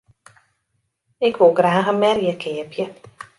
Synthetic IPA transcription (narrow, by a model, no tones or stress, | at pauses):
ɪkʋolˠɡraːɣənmɛrjəkʰɪəpʰjə